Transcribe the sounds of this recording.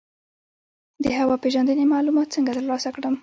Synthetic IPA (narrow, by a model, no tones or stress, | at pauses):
d̪əɦawɑpeʒand̪ənemɑlumɑt̪̚t͡səŋɡat̪əɾlɑsakɽəm